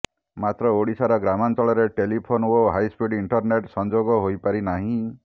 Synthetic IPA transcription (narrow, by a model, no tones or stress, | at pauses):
mat̪ɾɔoɽisaɾɔɡɾamantɔɭɔɾeʈelipʰonoɦajspiɖiɳʈɔɾneʈsɔnd͡ʒoɡɔɦojpaɾinaɦĩ